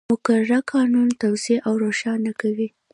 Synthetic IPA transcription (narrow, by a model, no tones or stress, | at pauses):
mʊkaɾaɾakʰɑnunt̪awzeʔawɾoʃɑnakawi